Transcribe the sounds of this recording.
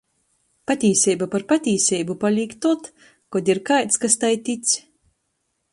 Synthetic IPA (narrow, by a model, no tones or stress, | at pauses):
pat̪ʲiːsʲɛjbapaɾpat̪ʲiːsʲɛjbupalʲiːkt̪ːɔt̪ | kɔd̪ʲiɾkajt̪skast̪ajt̪ʲit̪s